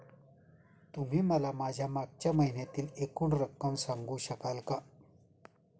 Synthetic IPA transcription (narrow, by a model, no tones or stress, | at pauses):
t̪um̤iːməlamad͡ʑʱjamaɡ̚t͡ɕjaməɦinet̪iːlekuːɳɾəkːəmsãŋɡuːɕəkalka